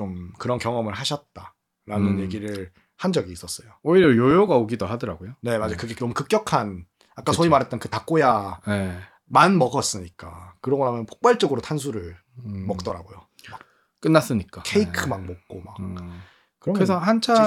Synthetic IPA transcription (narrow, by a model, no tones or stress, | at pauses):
t͡ɕomkɯɾʌnkjʌŋʌmɯɭɦaɕʰʌt̚t͈a | ɾanɯnje̞ɡiɾɯɭ | hand͡ʑʌɡiːs͈ʌs͈ʌjooiɾjʌjojoɡaoɡidoɦadɯɾaɡojone̞mad͡ʑikɯɡenomukɯk͈jʌkʰan | ak͈asʰoimaɾɦe̞t̚t͈ʌnkɯtak͈ojane | manmʌɡʌs͈ɯɲik͈akɯɾʌɡʌɦamjʌnpʰo̥k̚p͈aɭt͡ɕ͈ʌɡɯɾotʰans̬ʰuɾɯɭ | mʌk̚t͈ʌɾa̰ɡojo | mak | k͈ɯnːas͈ɯɲik͈akʰeikʰɯmanmʌk̚k͈omak | kɯɾesʰʌɦant͡ɕʰa